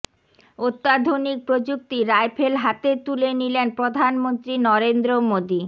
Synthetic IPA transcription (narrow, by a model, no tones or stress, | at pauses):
ot̪ːad̪ʱonik̚pɾod͡ʑuk̚t̪iɾaepʰelɦat̪et̪ulenilenpɾod̪ʱanmont̪ɾinɔɾend̪ɾomod̪i